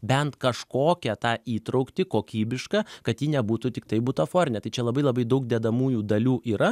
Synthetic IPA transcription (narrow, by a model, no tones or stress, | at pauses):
bʲɛnt̪kɐʃkoːkʲɛt̪ɑːiːt̪ɾɐʊkt̪ʲɪkoːkʲiːbʲɪʃkɐkɐt̪jiːnʲɛbuːt̪ʊt̪ʲɪk̚t̪ɐɪbut̪ɐfoːɾʲɪnʲɛt̪ɐɪt͡ʃʲɛlˠɐbɐɪlˠɐbɐɪd̪ɐʊk̚d̪ʲeːd̪ɐmuːjuːd̪ɐlʲuːʔiːɾɐ